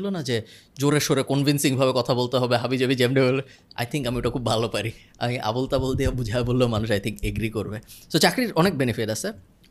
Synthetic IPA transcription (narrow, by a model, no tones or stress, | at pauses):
lonad͡ʑe | d͡ʑoɾeɾʃoɾekɔnvinsiŋbʱabekɔt̪ʰabolt̪eɦɔbeɦabid͡ʑobid͡ʑemɖebola̰jt̪ʰiŋkamioʈakʰubʱalopaɾi | a̰miʔa̰bolt̪abold̪iabud͡ʑʱaebolːomanuʃ̬ajt̪ʰiŋkeɡɾikoɾbesot͡ɕakɾiɾɔnek̚benifiʈasʰe